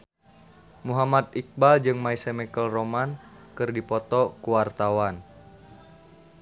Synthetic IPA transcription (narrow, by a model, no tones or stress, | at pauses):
muɦamat̪̚ik̚bald͡ʒɨŋmaisɛmɛkəlromankɨrdipɔt̪ɔkuwart̪awan